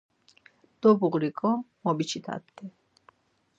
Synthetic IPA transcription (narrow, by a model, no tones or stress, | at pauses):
d̪̥ɔbuʁɾikʼɔmɔbit͡ʃʰit̪ʰa̰d̪ɛ